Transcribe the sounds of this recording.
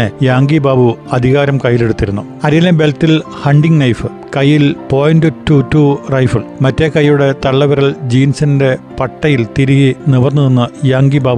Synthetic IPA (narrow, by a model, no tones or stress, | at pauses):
ejaːŋɡibaːbuɐd̪ʱiɣaːɾɐmkɐjːile̞ɽut̪ːiɾunːu | ɐɾijɐlɐmbe̞ltil | hɐɳɖiŋɡnɐjfɨ | kɐjːilpo̞ːjndɨtːuturɐjfɐɭmɐtːekɐjːuɽe̞t̪ɐɭːɐʋɐɾɐɭd͡ʑiːnsɐnde̞pɐʈːɐjilt̪iɾiɣiniʋɐrnuðenːɐjaːŋɡibaːbu